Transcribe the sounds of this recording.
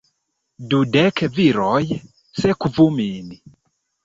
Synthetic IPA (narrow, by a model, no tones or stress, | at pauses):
dudɛkʰɛviɾɔjɛ | sɛkuvumiːni